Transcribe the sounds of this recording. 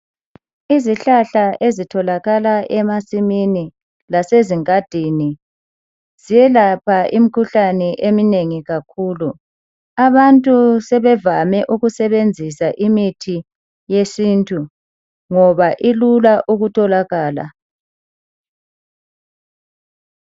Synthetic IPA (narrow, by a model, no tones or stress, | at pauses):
iziɬaɬaʔezitʰɔlaɣalaʔɛmasimini | laseziŋʼad̥ʱini | z̥ijɛlapʰaʔimikʰuɬanɛʔemineŋiɣakʰuːlu | aβantʼusɛβɛvamɛʔuɣusɛβend͡zʱisaʔimitʰi | jesintʼu | ŋɔβaʔilulaʔuɣutʰɔlaɣaːla̰